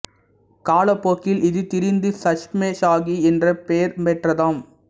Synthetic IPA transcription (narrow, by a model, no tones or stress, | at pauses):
kaːlɐpːoːkːɪlʔɪðɯt̪ɪɾɪnd̪ɯsɐʂmeːʃaːɣiɛndrɐpeːɾmɛʈrɐðaːm